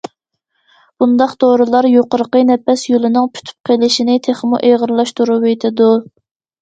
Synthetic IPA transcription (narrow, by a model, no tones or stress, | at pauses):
b̥und̪ɑqd̪̥oɾɨlˠɑɾjoqəɾəqənɛpɛsjolˠɪnɪŋpʰy̥t̪ʰy̥p̚qʰelɪʃinɪt̪ʰeχmṵʔeʁəɾlˠɑʃt̪uɾupet̪ʰɪd̪u